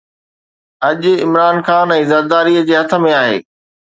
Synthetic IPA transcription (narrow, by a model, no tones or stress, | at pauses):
ɐʄʊɪ̰mɾaːnxaːnɛ̃ːzɐd̪d̪aːɾiəd͡ʑeːɦɐt̪ʰə̆mẽaːɦḛː